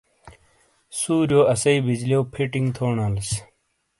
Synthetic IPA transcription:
suːɾjoːɐsɐibid͡ʑlewpʰiʈiŋɡt̪ʰoːɳɐls

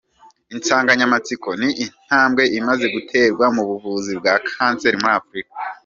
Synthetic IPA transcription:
int͡saːŋɡaɲamat͡siko̞niʔinn̥aːmɡe̞ʔimaze̞ɡutʰe̞ːɾɡwamuβuvuːzibɡaːkʰaːnse̞ɾimuɾaːfɾikḁ

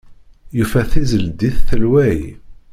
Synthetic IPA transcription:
jufæθizəld̪iθθəlwæj

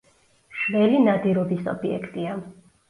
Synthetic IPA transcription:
ʃvɛlinad̪iɾɔbisɔ̰biɛ̰kʰt̪ʼia

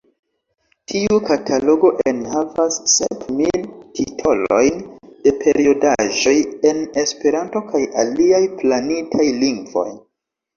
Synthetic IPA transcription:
tʰiukatʰalo̞ɡo̞ʔe̞nhavasːḛpmiltʰitʰo̞lo̞jnd̥e̞pʰe̞ɾiodaʒo̞je̞ne̞spe̞ɾanto̞kʰajaliajplanitʰajliŋɡvo̞̰j

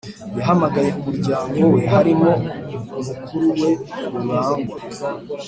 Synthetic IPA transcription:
jaɦamaɡaje̞umuɾɟaːŋɡowe̞ɦaɾimo̞umukuɾuwe̞muŋaːŋɡa

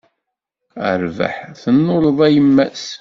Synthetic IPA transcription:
ə̰ɾvə̰ħθənːʊləðˤæjəmːæs

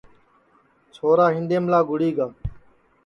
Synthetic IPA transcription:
t͡ʃʰoːɾaːɦɪ̃nd̪eːmlaːɡʊɽiːɡaː

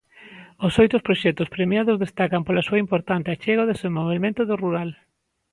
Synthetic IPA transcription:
osojt̪ʊspɾoʃɛt̪ʊspɾemjaðʊzðest̪akampolasuɐimpoɾt̪ant̪eat͡ʃeɣaoðesembolβelmẽnt̪oðoruɾal

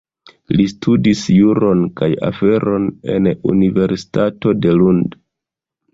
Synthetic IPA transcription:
listʰudisjuɾo̞nkaja̰fe̞ɾʔo̞ne̞̰nṵnive̞ɾsi̥tato̞de̞lund

